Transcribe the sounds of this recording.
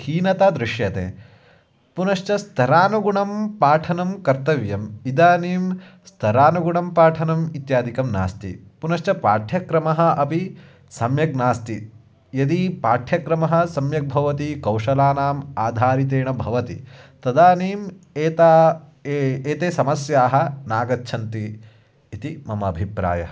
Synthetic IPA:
hiːnɐt̪ad̪ɾɪʃjɐt̪ḛː | punɐʃt͡ʃɐst̪ʰɐɾaːnuɡuɳɐmpaːʈʰɐnɐmkɐɾt̪ɐʋjɐmid̪aːniːm | st̪ʰɐɾaːnuɡuɳɐmpaːʈʰɐnɐmit̪jaːd̪ikɐmna̰ːst̪ḭpunɐʃt͡ʃɐpa̰ːʈʰjɐkɾɐmɐɦɐ̆ʔɐpi | sɐmjɐɡ̚naːst̪i | jɐd̪ipaːʈʰjɐkɾɐmɐɦɐ̆sɐmjɐk̚bʱɐʋɐt̪ikɐwʂɐlaːnaːmaːd̪ʱaːɾit̪̬eːɳɐbʱɐʋɐt̪ḭt̪ɐd̪aːneːmeːt̪a | eːt̪eːsɐmɐsjaːɦɐ̆naːɡɐtːʃʰɐnt̪iː | t̪imɐmɐːbʱipɾa̰ːjɐ̰ɐ

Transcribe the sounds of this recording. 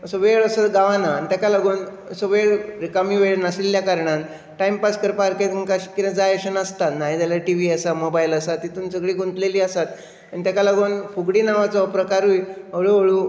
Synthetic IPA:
əsəʋeɭəsəɡaʋãnaːnit̪jakalaɡoːn | əsəʋeɭɾikamĩʋeɭnasiljakaɾɳãn | ʈaimpaskəɾpaɾket̪əŋkaɕi̥kːinad͡zaeɕənəst̪at̪naɦid̪alaʈiʋiəsamobajiləsat̪it̪uːnsəɡɭiːɡʱunt̪leliːəsat̪ | anit̪jakalaɡunfuɡɽiːnaʋat͡sɔpɾəkaɾujəɭuəɭuː

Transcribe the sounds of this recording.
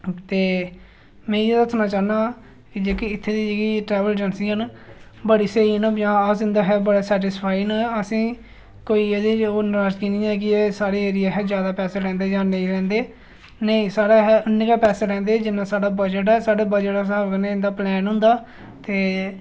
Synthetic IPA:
t̪eː | mɛ̃ːed̪əsʰnãːt͡ʃaːnaː | kɪd͡ʒeːkiɪt̪ʰːeːd̪iːd͡ʒeːkiːʈɾɛːʋəld͡ʒənsiːən | bəɽiːseiːnõːjãːəsɪ̃nd̪aːɦɛːbəɽaːsɛːʈ̬ɪspʰaːiːnːɛəsĩː | koːiːeːd̪eːoːnɾaːd͡ʒkiːnĩːɛːk̬ɪeːsaːɾeːeːɾɪjaːɦɛːd͡ʒjaːd̪aːpɛːseːlɛ̃ːnd̪eːd͡ʒãːnəĩːɾɛ̃ːnd̪eː | nəĩːsaːɽaːɦɛʊnːɪkaːpɛːseːɾɛ̃ːnd̪eːd͡ʒɪnãːsaːɽaːbəd͡ʒəʈ̬ɛːsaːɽaːbəd͡ʒəʈːsaːkənẽɪ̃nd̪aːplɛːnɦʊ̃nd̪aː | t̪eː

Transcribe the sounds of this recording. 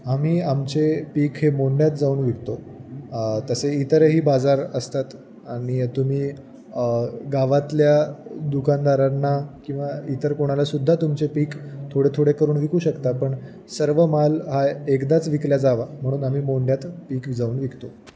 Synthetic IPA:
am̤iːamt͡sepiːkɦemoɳɖjat̪d͡zauːɳʋikt̪o | t̪əseit̪əɾɦiːbad͡zaɾəst̪at̪ | aɽ̃it̪um̤iː | ɡaʋat̪ljad̪ukand̪aɾaɾnːakĩw̃ʋait̪əɾkoɽ̃alasud̪ʱːat̪umt͡sepiːkt̪ʰoɽet̪ʰoɽekəɾuːnʋikuːɕəkt̪apəɳ | səɾʋəmalɦaekd̪at͡sʋikljad͡zaʋam̤əɽ̃uːnam̤iːmoɳɖjat̪piːkʋid͡zauːnʋikt̪o

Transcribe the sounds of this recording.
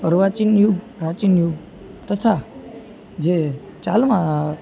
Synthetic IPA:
əɾʋat͡ʃinjuɡ | ɾat͡ʃinjuɡ | t̪ət̪ʰa | d͡ʒe | t͡ʃalmã

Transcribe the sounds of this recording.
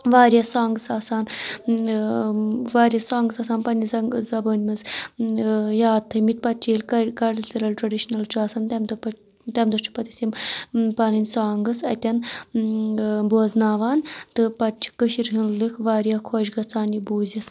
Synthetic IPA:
ʋaːɾʲjɐsaːŋɡɨsaːsaːn | ʋaːɾjɐsaːŋɡɨsaːsaːnpɐnʲizɐŋzɐbənʲmɐz | jaːt̪ʰːɐmit̪̚pɐt͡ʃʰiːlʲkɐkɐɽlʲsɐɾɐlʈɾɐɖiʃnɐlt͡ʃaːsɐnt̪ɐmd̪ɐpɐ | t̪ɐmd̪ɐt͡ʃʰi̥pɐt̪i̥simpɐnɐnʲsaːŋɡɨsɐ̰t̪ʲɐn | boːznaːʋaːnt̪ɨpɐt͡ʃʰi̥kəʃiɾɦɨnlɨkʰʋaːɾijakʰoːʃɡɐt͡saːnibuːzʲit̪

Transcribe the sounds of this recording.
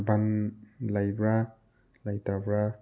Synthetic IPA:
bamlajbɾa | lajtabɾa

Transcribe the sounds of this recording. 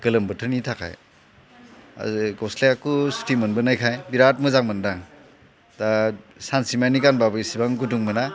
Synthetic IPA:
ɡ̥ɯlɯmbɯtʰɯɾnitʰakʰa̰j | a̰zɡɔsleakustimɯnbɯnajkʰajbiɾat̚mɯzaŋmɯndaŋ | dasansimanikanbabɯisibaŋɡuduŋmɯna

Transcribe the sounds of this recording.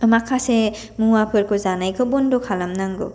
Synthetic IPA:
ɯmakʰase | muwapʰɯɾkʰɯzanajkʰɯbɔndɔkʰalamnaŋɡo̰

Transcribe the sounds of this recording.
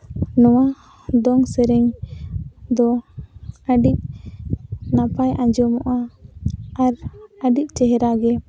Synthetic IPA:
nɔwa | d̪ɔŋsɛɾɛŋ | d̪ɔ | əɖic̚ | napajʔaɲd͡ʒɔmɔʔaː | ɾəɖic̚ˀt͡ʃɛɦɛɾaɡɛ

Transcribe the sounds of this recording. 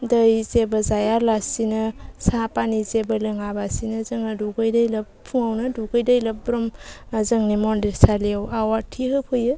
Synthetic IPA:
dəjzebəzajaɾlasinɯsapanizebəlɯŋabasinɯzɯŋaduɡɯjdəjləppʰuŋawnɯduɡɯjdəjləp̚bɾɔmzəŋnimɔndeɾsaliawawatʰiɦɯpʰɯjɯ

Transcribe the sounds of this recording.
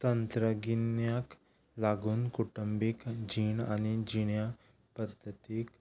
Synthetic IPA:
t̪ɐnt̪ɾəɡinjak | laɡunkuʈəmbikd͡ʒiːnanid͡ʒinja | pɐd̪ʱːət̪ik

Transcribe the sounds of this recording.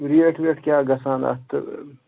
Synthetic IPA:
ɾieʈʰʋeʈʰkjaːɡɐsaːnɐ̰t̪ɨ̰

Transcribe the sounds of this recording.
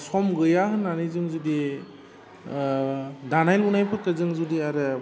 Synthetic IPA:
sɔmɡɯjaɦɯnːanizɯŋzudi | danajlunajpʰɯt̚kɯzɯŋzudiaɾɯ

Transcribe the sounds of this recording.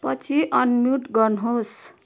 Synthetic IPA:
pʌt͡sʰiʔʌnmjuʈɡʌnɦos

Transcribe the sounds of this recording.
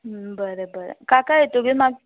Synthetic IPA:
ɦbəɾəbəɾə̰kakajet̪oɡemaɡ

